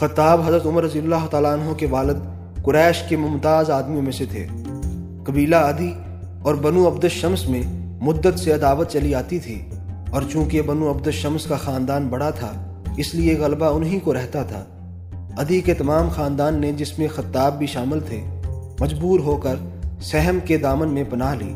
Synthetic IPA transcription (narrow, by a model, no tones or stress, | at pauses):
xɐt̪ːaːbɦɐzɾət̪ʊməɾːɐzilːaːɦʊt̪aːlaɐnɦõkeʋaːləd̪̚ | kʊɾɛːʃkemʊ̃mt̪aːzaːd̪mijõmẽset̪ʰḛː | kɐbiːlaɐd̪i | ɔːɾbɐnũɐbd̪əʃɐmsmẽ | mʊd̪ːət̪seɐd̪aːʋət̪t͡ʃɐliaːt̪it̪ʰḭː | ɔːɾt͡ʃũːkebɐnũɐbd̪əʃɐmskaxaːnd̪aːnbɐɽat̪ʰa | ɪslieɣɐlbaʊnɦĩkoɾɛɦt̪at̪ʰa̰ː | ɐd̪iket̪ɐmaːmxaːnd̪aːnːed͡ʒɪsmẽxɐt̪ːaːb̚bʱiʃaːmɪlt̪ʰemɐd͡ʒbuːɾɦoːkəɾsɛɦmked̪aːmənmẽpɐnaːɦlḭː